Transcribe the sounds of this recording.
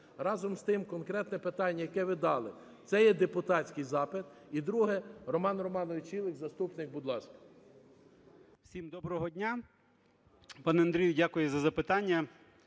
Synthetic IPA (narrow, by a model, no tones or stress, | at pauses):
ɾɑzɔmst̪ɪmkɔnkɾɛt̪nɛpɪt̪ɑnʲːɐjɐkɛʋɪd̪ɑlˠɪ | t̪sɛjɛd̪epʊt̪ɑt͡sʲkɪjzɑpɪt̪id̪ɾuɦɛrɔmɑnrɔmɑnɔʋɪt͡ʃilˠɪkzɐst̪upnɪk̚bʊd̪lˠɑskɐ̥ | wsʲimd̪ɔbɾɔɦɔdʲnʲa | pɑnɛɐnd̪ɾʲijʊdʲakʊjɛzɐzɐpɪt̪ɑnʲːɐ